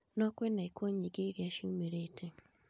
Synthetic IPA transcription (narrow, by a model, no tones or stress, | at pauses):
nɔkwenaikwoɲiɡeɾjaʃiumeɾetʰe